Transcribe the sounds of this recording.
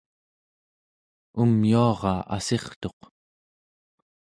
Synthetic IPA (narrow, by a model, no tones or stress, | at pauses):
umjuɑʁɑa̰se̞χt̪o̞q